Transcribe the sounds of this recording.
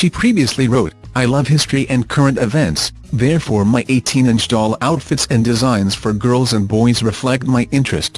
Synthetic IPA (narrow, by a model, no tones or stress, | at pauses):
ʃipʰɹ̥iviɨsliɹoʊɾaɪlʌv̥hɪstɹ̥iʔɨ̃nkʰɜ˞ɨ̃ntɨvɛ̃nts | ðɛɹfɔɹmaɪʔeɪtʰĩnɪ̃nt͡ʃdɔlˠaʊtfɨtsɨ̃ndɨzãɪ̃nz̥fə˞ɡɜ˞lˠzɨ̃nbɔɪzɹɨflɛk̚t̚maɪʔɪ̃nt͡ʃɹ̥ɨ̰st